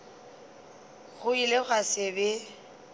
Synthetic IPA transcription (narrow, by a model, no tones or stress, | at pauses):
ɣʊileɣasɪbe